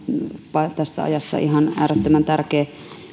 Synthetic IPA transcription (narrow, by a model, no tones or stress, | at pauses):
pɑt̪æsːæ̰ɑ̰jɑsːɑ̰ihɑnæːɾet̪ːømænt̪ærkeː